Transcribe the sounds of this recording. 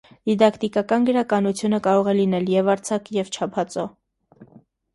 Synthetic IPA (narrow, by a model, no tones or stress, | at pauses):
d̪̥id̪ɑkʰt̪ikɑkɑnɡəɾɑkɑnut͡sʰjunəkɑɾɔʁɛlinɛljɛvɑɾt͡sʰɑkjɛvt͡ʃʰɑpʰɑt͡sɔ